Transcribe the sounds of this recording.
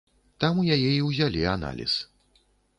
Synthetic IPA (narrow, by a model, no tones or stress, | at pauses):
t̪amujajɛiwzʲalʲiana̰lʲḭs